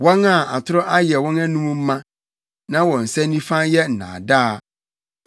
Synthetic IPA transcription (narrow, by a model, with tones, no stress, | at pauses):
wɔ̃˦ŋa˨a˨tʰʊ˦ɾɔ˦ʔa˦jɛ˨wɔ̃˦na˦nũ˦mũ˦m̩˦mã˦ | nã˦wɔ̃˨n̩˨sɛ̃˦n˦nĩ˦fã˦jɛ˦n̩˨nã̰ː˨da˦˨